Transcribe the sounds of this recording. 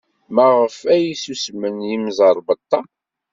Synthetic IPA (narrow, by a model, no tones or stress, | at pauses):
mæʁəfæjisusmənjimzˤəɾˤbət̪ˤːɑ